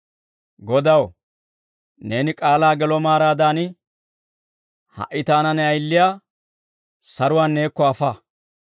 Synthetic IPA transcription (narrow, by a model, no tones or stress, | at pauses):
ɡɔd̪ɐw | ne̞ːnɪkʼaːlaːɡɛlɔmaːɾaːd̪aːnɪ | hɐ̰ʔːɪt̪aːnɐnɛɐjlːɪjaː | sɐɾʊwaːnːeːkːɔɐfa